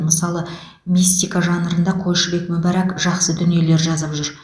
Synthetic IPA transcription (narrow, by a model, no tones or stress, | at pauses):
məsɑlˠə | mist̪ːijkaʒɑnəɾənd̪ɑqʰoj̪ʃəbe̞kmʊbæɾakʒ̥ɑqsəd̪ʏnije̞le̞ɾʒɑzəpʒʏɾ